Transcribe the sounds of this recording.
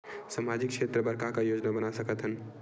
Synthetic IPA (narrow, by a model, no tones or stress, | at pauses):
samad͡ʒɪkʃʰeːt̪ɾəbəɾkakajoːd͡ʒnabənasəkət̪ɦən